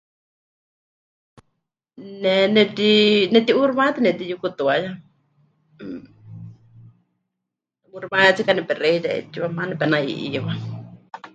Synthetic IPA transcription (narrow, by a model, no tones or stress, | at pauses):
nenɛt̪inɛt̪iuɾβat̪inɛt̪ijukut̪uaja | uɾβãat͡sikanɛpɛɾeiɾaḛt͡ʃiβamanɛpɛnaḭʔḭjuβa